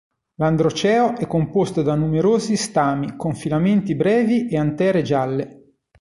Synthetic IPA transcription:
land̪ɾot͡ʃɛːoʔɛkːompost̪od̪anːumeɾoːzist̪aːmikoɱfilament̪ibɾɛːviʔeant̪ɛːɾed͡ʒalːe

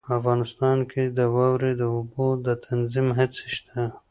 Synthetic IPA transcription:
afɣɑnɪst̪ɑːnkʰed̪əwɑwɾed̪əʊbod̪ət̪ʰanzimɦase̥ʃt̪ʰa

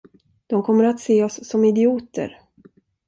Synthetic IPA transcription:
d̪̥ɔmkʰɔmːəɾat̪seːɔsːɔmɪd̪ɪuːt̪ə̰ɾ

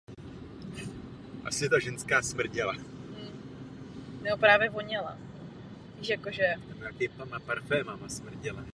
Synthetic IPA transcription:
ʔasɪt̪aʒɛnskaːsmr̩ɟɛla | nopɾaːvjɛvoɲɛla̰ | viːʃjakoʒɛamak̪ɪpamapaɾfɛːmamasmr̩ɟɛla

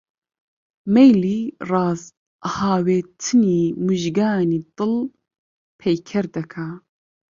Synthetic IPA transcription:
mɛjliːrɑːz | haːweːt̪ʰɨniːmuʒɡaːniːt̪ɨl | pʰɛjkʰɛɾd̪ɐkʰa

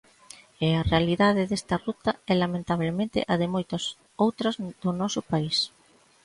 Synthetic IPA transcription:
ɪarealiðaðɪðest̪ɐrut̪ɐɛlamẽnt̪aβlemẽnt̪ɪ̰ʔɐðɪmojt̪ɐs | owt̪ɾɐzðʊnɔsʊpais

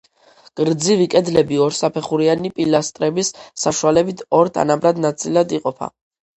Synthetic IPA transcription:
ɡ̥ɾd̪zivikʼɛd̪lɛbiɔɾsapʰɛχuɾianipʼilast̪ʼɾɛbisːaʃualɛbit̪ʰɔɾt̪ʰa̰nabɾad̪nat̪sʼilad̪iqʼɔpʰa̰

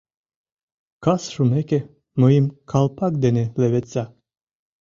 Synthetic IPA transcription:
kasʃumekʲe | məimkʰalˠpakd̪enelevet͡sʲa

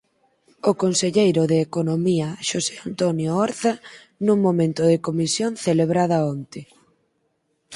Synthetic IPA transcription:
okonseʎejɾʊðeːkonomiɐʃoseant̪onjoɔɾθa | nuŋmomẽnt̪ʊðekomisjonθeleβɾaðɐont̪ɪ

